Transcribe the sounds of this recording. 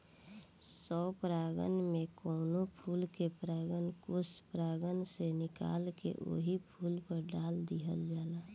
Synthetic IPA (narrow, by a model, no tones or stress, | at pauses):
sɔːpɾaːɡə̰nmẽkɔːnopʰuːlkepɾaːɡənkʊspɾaːɡənsenɪka̰ːlkḛʔo̰ːɦipʰuːlpəɾɖaːld̪iɦəld͡ʒaːlaː